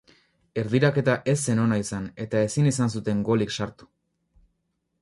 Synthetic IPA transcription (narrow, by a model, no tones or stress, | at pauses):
e̞ɾðiɾake̞t̪aʔe̞s̬ːe̞no̞naisane̞t̪ae̞sinis̬ansut̪e̞ŋɡo̞liksaɾt̪u̥